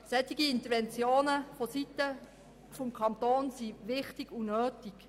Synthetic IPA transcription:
sɛt̪iɡiɪnt̪əɾʋɛnt͡sjoːnəfositːə | fɔmkʰɑnt̪oːnsiʋɪχtiɡ̥unøːtiɡ̥

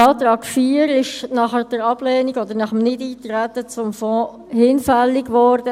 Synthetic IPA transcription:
ɑːt̪ɾɑːkfiːəɾɪʃnɑχəd̥əɾɑb̥lɛːniɡɔd̪əɾnɑχəmnɪdiːt̪ɾæt̪ːət͡sʊmfɔ̃ː | hɪnfɛlːiɡʋɔɾd̥ə

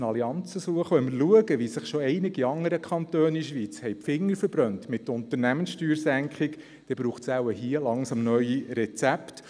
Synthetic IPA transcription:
nɑliɑnt͡səsuəχʋœməɾluəɡəʋisɪχʃoɛɪnɪɡiɑŋəɾəkʰχɑnt̪øːniʃʋiːt͡shɛɪpfɪŋːəɾfəɾb̥ɾœntmɪt̪ːʊntəɾnæmənsʃtyːɾsæŋkχɪk | d̪̥ɛb̥ɾuːχsawəɦiəlɑŋsɑmnœʏiɾɛt͡sæpt

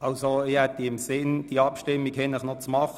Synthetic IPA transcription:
ɑlsoɪhɛt̪əɪmsɪnd̥iɑpʃtɪmːikhɛnləχnot͡smɑχ

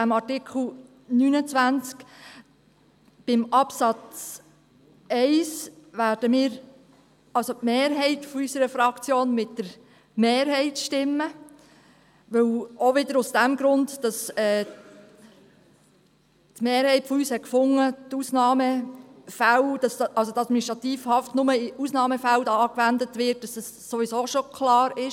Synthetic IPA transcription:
æmɑɾtɪkʰl̩ | nyːnət͡sʋænt͡sk | b̥ɪmɑpsɑt͡s | ɛɪsʋæːɾd̥əmiːɾ | ɑlsotmeːɾɦɛɪtfɔysəɾəfɾɑkt͡sjoːnmɪtdəɾ | meːɾɦɛɪtʃtɪmːə | ʋɵwoʋɪdəɾʊsd̥æmɡ̥ɾʊndd̥ɑsɛː | tmeːɾhɛɪtfɔyːshɛtkfʊŋːətusnɑːməfæld̥ɑsʔɑlsotɑd̥miniʃtʁɑt̪iːfhɑftnʊməɪusnɑːməfældɑːkʋændətʋɪt̚d̥ɑsɛsːoʋisoːʃokʰlɑːɾɪʃ

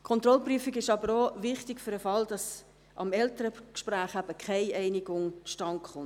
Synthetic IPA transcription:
kʰɔnt̪ɾɔlpryəfiɡɪʃɑbəɾoʋɪχtɪkfʏɾəfɑld̥ɑs | ʔɑ̰mɛltəɾəkʃpɾæːχæb̥əkʰɛɪʔɛɪniɡʊŋt͡sʃtɑŋχʊn

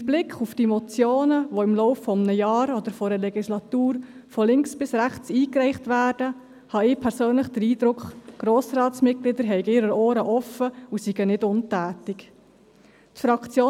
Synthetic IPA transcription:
blɪkχufd̥imɔt͡sjoːnəʋoɪmlɔʊfːɔmnəjɑːɾɔd̪əɾfɔɾəlɛɡislɑt̪uːɾfɔlɪŋksb̥ɪsɾæχt͡siːkɾɛɪχtʋæːd̥ə | hɑɪːpʰɛɾsøːnləχd̥̪əɾiːd̥̪ɾʊkχɡ̥ɾoːsɾɑːtsmɪt̚klɪd̪əɾɦɛɪɡɪɾəoːɾəʔɔfəusiɡ̥ənɪdʊntæːtɪk | tfɾɑkt͡sjoː

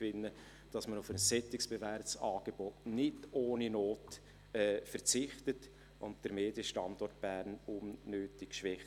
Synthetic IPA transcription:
ʋɪnːə | d̥ɑsmənʊfənsɛtɪksb̥evæɾpsɑːɡ̥eb̥ɔtnɪdoːninoːt | ɛːfəɾt͡sɪχtət | ʔʊntd̥əɾmeːdjəʃtɑndɔrtb̥ærnumnøːtɪkʃʋɛχ

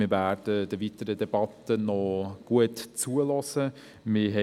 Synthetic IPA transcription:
mɪvæːd̥əd̥̪əvitəɾədɛb̥ɑt̪ənɔɡ̥uətt͡suəlɔsə | mɪɦɛ

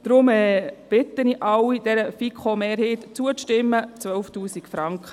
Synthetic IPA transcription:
d̥ɾʊmɛːb̥ɪt̪əniʔɑwid̥ɛɾəfikʰχomeːɾheːtt͡suəʃtɪmːət͡sʋœlftuːsikfɾɑŋkχə

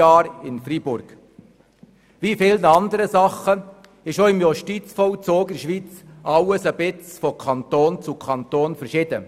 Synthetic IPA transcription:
ɑːɾɪnfribʊɾɡ̥ | vifɪlnəɑnd̪əɾəsɑχə | ɪʃoɪmjoʃtit͡sfɔʊt͡soːɡɪʃʋiːt͡sɑwəsəbɪt͡sfɔkʰɑnt̪oːnt͡sʊkʰɑnt̪oːnfɛɾʃɪd̥̪ə

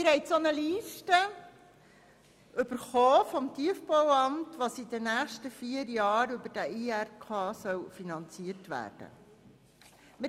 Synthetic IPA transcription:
mɪɾhɦɛɪsonəliːʃtə | ʔʏb̥əɾχoːfɔmtiəfpɔwɑmtʋɑːsidənæːχʃtəfiːəɾjɑːɾʏbəɾd̥æiærkʰɑːsœwfinɑnt͡siəɾtʋæ̰ːɾd̥ə̰ | mɪ

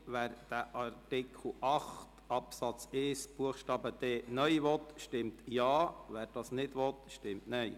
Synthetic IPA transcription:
ʋæːɾd̥̪æʔɑɾtɪkʰl̩ʔɑχt̪ | ɑpsɑt͡sɪsb̥uəχʃtɑːbəd̪̥ɛːnœjʋɔt̪ʃtɪmtjɑːʋæːɾd̥ɑːsnɪdʋɔt̪ʃtɪmtnɛɪ

